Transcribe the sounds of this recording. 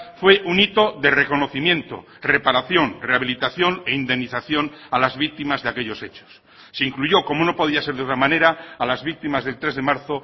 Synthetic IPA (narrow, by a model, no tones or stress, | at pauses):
fwe̞ʔunit̪o̞ðe̞re̞ko̞no̞θimjẽ̞nt̪o̞̰ | re̞paɾaθjo̞nre̞aβ̞ilit̪aθjo̞ne̞ind̪e̞mniθaθjo̞nalazβik̚t̪imazðeake̞ʎo̞se̞t͡ʃo̥sː | eiŋkluʝo̞ko̞mono̞po̞ð̞iaseɾðeot̪ɾamãne̞ɾaːlazβik̚t̪imazð̞e̞lt̪ɾe̞zðe̞maɾθo